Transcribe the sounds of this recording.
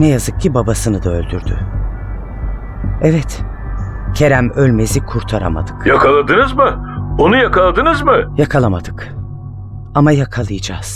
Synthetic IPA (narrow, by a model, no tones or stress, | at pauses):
nɛjazɯk̚cʰibabasɯnɯd̪aølʲd̪yɾd̪y̰ | ɛvɛt̪ | cʰe̞ɾæmølʲme̞zikʰuɾt̪ʰaɾa̰ma̰d̪ɯkjakʰalˠad̪ɯnɯzmɯonujakalˠad̪ɯnɯzmɯjakʰalˠamad̪ɯk | amajakʰalˠɯjɯd͡ʒaːz̥